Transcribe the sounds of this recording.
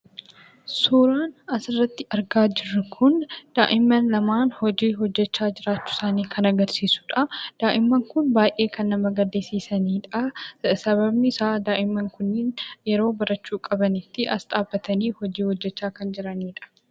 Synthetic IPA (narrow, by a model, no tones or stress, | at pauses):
suːɾaːnɐsɪrːɐt̪ːɪʔɐɾɡaːd͡ʒɪrːɐkʰʊnd̪̥aːʔɪmːɐnlɐmaːnhɔd͡ʒiːɦɔd͡ʒːɛt͡ʃːaːd͡ʒɪɾaːt͡ʃːʊ̥saːniːkʰɐnɐɡɐɾsiːsʊ̥ᶑɐd̪̥aːʔɪmːɐŋkʊnbaːjʔe̞ːkɐnːɐmɐɡɐd̪eːsiːsɐniːᶑɐsɐβɐbnɪɪsaːd̪aːʔɪmːɐŋkʊnːɪnjɛɾo̞ːbɐɾɐt͡ʃːuːkʼɐbɐnɪt̪ːɪʔɐsᶑ̪ʼaːbːɐt̪ɐniːhɔd͡ʒiːhɔd͡ʒːɛt͡ʃːaːkɐnd͡ʒɪɾɐniːᶑɐ̥